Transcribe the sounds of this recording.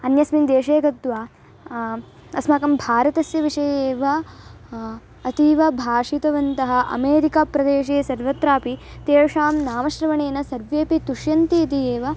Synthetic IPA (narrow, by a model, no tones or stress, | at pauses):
ɐnjɐsmind̪eːʂeːɡɐt̪ʋaː | ɐsmaːkɐmbʱaːɾɐt̪ɐsjɐʋiʂɐjɐeːʋɐ | ɐt̪iːʋɐbʱaːʂit̪ɐʋɐnt̪ɐɦɐ̆ʔɐ̰meːɾikapɾɐd̪eːʃ̬eːsɐɾʋɐt̪ɾaːpit̪eːʋɐʂaːmnaːmɐʃɾɐʋɐɳeːnɐsɐɾʋeːpit̪uʂjɐnt̪iit̪ieːʋɐ